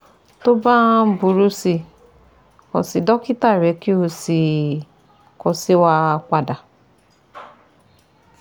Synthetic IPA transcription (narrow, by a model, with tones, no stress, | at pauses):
to˦ba˦bu˨ɾu˧si˧ | kɔ̰̃˨si˨dɔ˦ki˦ta˦˨ɾɛ˨˦ki˦o˧si˨ | kɔ˧si˦wa˧k͡pa˧da˨